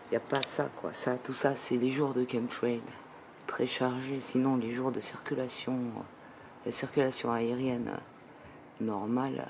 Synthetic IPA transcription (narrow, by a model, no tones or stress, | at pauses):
iljapasa̰kwa̰sat̪usasɛleʒuʁd̪əkʲɛmt̪wɛl | t̪χɛʃaʁʒesinɔ̃leʒuʁd̪əsiʁkʲylasjɔ̰̃ | lasiʁkʲylasjɔ̰̃aeʁjɛnø̰ː | ɔʁmal